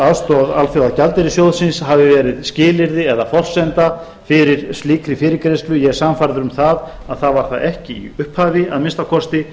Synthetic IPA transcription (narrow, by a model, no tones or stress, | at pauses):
aðst̪ɔðalfjowðacalt̪ɪɾɪsjowðsɪnsɦavɪvɛːɾɪðscɪːlɪɾðɪɛðafɔr̥sɛnt̪a | fɪɾɪɾ̥st̪liːkɾɪfɪːɾɪkɾejsk̪lʏjɛɣsamfaɾðʏɾʏmθað | aðθaðvaɾ̥θa̰ðɛhcɪḭʏhphaːvɪa̰ðmɪnst̪akʰɔst̪ɪ